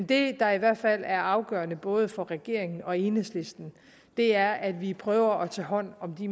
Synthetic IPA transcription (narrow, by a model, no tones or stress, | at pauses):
nd̥e̝d̥ɑ̈iʋæɐ̰d̥fæl̰æɐɑ̈ʊɡ̥œɐnəb̥ɔ̽ːð̞ˠəfɒ̽ʁɛɡ̥e̝ɐ̰e̝ŋn̩ɒ̽e̝ːnesle̝sd̥n̩ | d̥e̝æɐʔæd̥ʋipʰʁœːʊɐʔɒ̽t͡sʰɛːɦɒ̽n̰ɒ̽md̥i